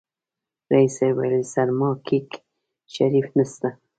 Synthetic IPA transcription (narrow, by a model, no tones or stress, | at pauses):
ɾaisewa̰jlsaɾmɑkʰik | ʃaɾifnast̪a